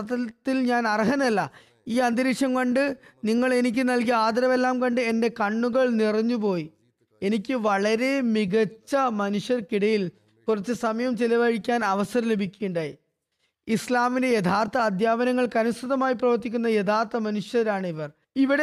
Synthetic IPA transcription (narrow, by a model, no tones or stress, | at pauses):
t̪ɐt̪ːilɲaːnɐrɐɦɐnɐlːɐ | iːɐnd̪ɐɾikʂjɐmkɐɳɖɨniŋːɐɭe̞nik̬ʲːɨnɐlk̬iaːd̪ɐɾɐʋe̞lːaːmkɐɳɖɨe̞nde̞kɐɳːuɣɐɭnirɐɲːupo̞ːj | e̞nikʲːɨʋɐɭɐɾe̞miɣɐt͡ɕːɐmɐnuʂjɐrkiɽɐjil | kurɐt͡ɕːɨsɐmɐjɐmt͡ɕelɐʋɐɻikʲːaːnɐʋɐsɐɾɐmle̞bʱikʲːujuɳɖaji | islaːmindejet̪ʰaːrt̪ɐːd̪ʱjaːbɐnɐŋːɐɭkɐnust̪ʰuðɐmaːjiprɐʋɐrt̪ːikʲːunːɐjet̪ʰaːrt̪ɐmɐnuʂjɐɾaːɳɨiʋɐr | iʋiɽe